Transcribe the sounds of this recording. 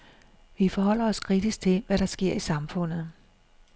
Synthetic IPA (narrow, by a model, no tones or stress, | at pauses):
ʋifɒ̽ɦɒ̽l̰ɐɒ̽skʰʁid̥isɡ̥̚t͡sʰe̝ʋæɾ̥ɑ̈sɡ̥e̝ɐ̰isɑ̈mfɔ̽n̰ð̩ˠ